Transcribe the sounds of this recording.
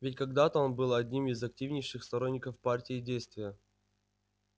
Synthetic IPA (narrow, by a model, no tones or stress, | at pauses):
vʲɪtʲkaɡd̪at̪əo̞nbɨlˠɐdʲnʲimɪzɐk̚tʲivnʲɪjʂɨxst̪ɐɾo̞nʲːɪkəfpartʲɪːdʲejst̪vʲɪjə